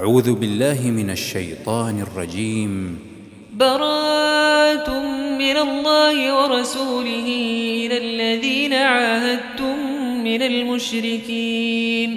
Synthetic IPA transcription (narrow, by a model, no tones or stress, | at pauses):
ʔaʕuːðʊbɪlːaːɦɪmɪnaʃːa̰jt̪ˤɑːnɪrˤːɑ̰d͡ʒiːm | bɑɾˤɑːt̪ʊmːɪnalˤːɑːhɪwɑɾˤɑsuːlɪɦɪɪnalːaðiːnaʕaːɦad̪̚t̪ʊmː | ɪnalmʊʃɾɪkiːn